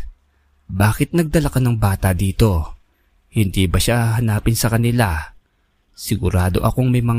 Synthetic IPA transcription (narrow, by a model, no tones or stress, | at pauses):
baːkɪt̪̚nɐɡ̚d̪ɐlɐkɐnɐŋbaːt̪ɐd̪iːt̪o̞ | hɪnd̪iːbɐʃaɦɐnaːpɪnsɐkɐnɪla | sɪɡʊɾaːd̪o̞ʔɐko̞ŋmɐjmɐŋ